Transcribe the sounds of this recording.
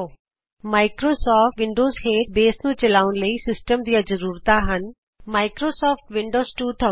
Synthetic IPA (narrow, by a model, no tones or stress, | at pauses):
maːɪkɾoːsɔːʈʋɪ̃ɳɖoːzɦẽːʈbeːsnũːt͡ʃɐlaːʊnləiːsɪsʈəmd̪ijazəɾuːɾt̪aɦən | maːɪkɾoːsɔːfʈʋɪ̃ɳɖoːzʈuːt̪ʰɐ